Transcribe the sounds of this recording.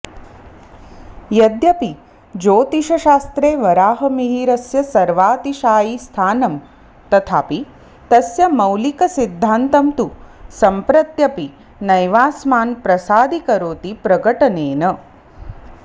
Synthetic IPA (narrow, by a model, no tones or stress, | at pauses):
jɐd̪jɐpi | d͡ʒoːt̪iʃɐʃaːst̪ɾeːʋɐɾaːɦɐmiɦiːɾɐsjɐsɐɾʋaːt̪iʃaːjist̪ʰaːnɐm | t̪ɐt̪ʰaːpi | t̪ɐsjɐmɐwlikɐsid̪ʱːaːnt̪ɐmt̪usɐmpɾɐt̪jɐpi | nɐjʋaːsmaːnpɾɐsaːd̪ikɐɾoːt̪ipɾɐɡɐʈɐneːnɐ